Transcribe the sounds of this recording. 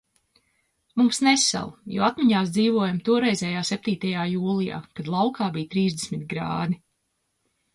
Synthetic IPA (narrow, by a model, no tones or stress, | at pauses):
mumsnesɛ̰lˠjɔ̰ːat̪miɲaːsd̪ziːvuɔjamt̪uɔɾɛjzʲɛjaːsep̚t̪iːt̪ajaːjuːlˠija̰ːkad̪lˠawkaːbijt̪ɾiːzd̪esmit̪ɡɾa̰ːd̪i